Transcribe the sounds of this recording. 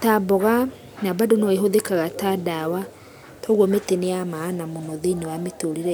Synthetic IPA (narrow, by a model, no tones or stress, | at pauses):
tabɔɣa | nabadonɔeɦoðekaɣataːdawa | tʰɔɣwɔmeteneamaːnamonɔðenewametoɾiɾɛ